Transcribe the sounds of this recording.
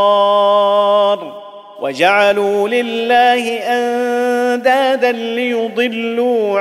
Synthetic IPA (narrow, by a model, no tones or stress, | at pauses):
ɾˤ | wʔa̰d͡ʒaʕaluːlɪlːaːhɪʔand̪aːd̪anlɪjʊd̪ˤɨlːuː